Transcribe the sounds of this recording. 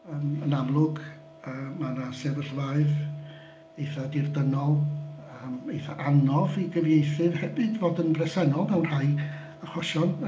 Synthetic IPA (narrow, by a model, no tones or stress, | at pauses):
əːmənamlˠʊɡ | əːmanasɛvəɬvaɨð | ejθadɪrdənɔlˠəmejθaʔanɔviɡəvjejθɨvhɛbɨdvoːdənbrɛsɛnɔlˠmɛwnr̥aj | aχwɔʃɔn